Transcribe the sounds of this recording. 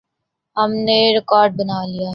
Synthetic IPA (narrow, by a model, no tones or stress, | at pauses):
ɦɐmneɾɪkɔːɾɖ̚bɐnaːlijaː